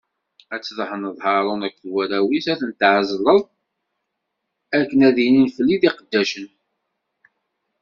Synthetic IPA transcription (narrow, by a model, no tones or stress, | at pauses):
æt͡sːðəħənðˤhɑɾˤonækːθwæɾæwisæθənt̪ʕəzləðˤ | ækːənæðininfəlːiðiqəd̪ːæʃən